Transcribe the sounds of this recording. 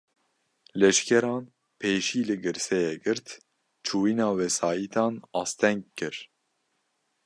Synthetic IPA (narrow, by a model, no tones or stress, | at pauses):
lɛʃkʰɛɾɑːn | pʰeːʃiːlɨɡɨɾsɛjɛɡɨɾt̪ | t͡ʃʰuːiːnɑːwɛsɑːjiːt̪ʰɑːnɑːst̪ʰɛŋɡ̚kɨɾ